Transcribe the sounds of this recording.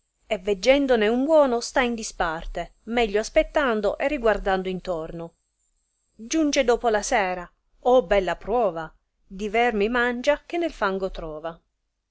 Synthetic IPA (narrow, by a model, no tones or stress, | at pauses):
ɛvːed͡ʒːɛnd̪oneumbwɔːnost̪aind̪ispart̪emɛʎːoaspet̪ːand̪oʔɛrːiɡward̪and̪ʊint̪ɔrno | d͡ʒund͡ʒed̪ɔːpolasɛːɾa | ɔbɛlːapɾɔːva | d̪ivɛrmimand͡ʒak̟enːelfaŋɡot̪ɾɔːva